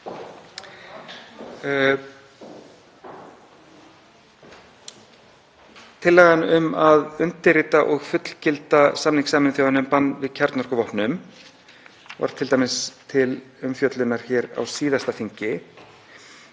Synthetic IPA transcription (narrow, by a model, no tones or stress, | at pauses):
t̪ʰɪlːɛːɣanʏmaðʏnt̪ɪrɪt̪aʔɔɣfʏt̪l̥cɪlt̪asamniŋksaːmɪnθjawðanʏmpanːvɪðcʰaɾt̪nɔr̥kʏvɔhpnʏm | va̰ɾ̥t̪ʰɪlt̪aːmɪst̪ʰɪlʏmfjœt̪lʏnaɾ̥çɛːɾa̰wsiːðast̪afiɲcɪ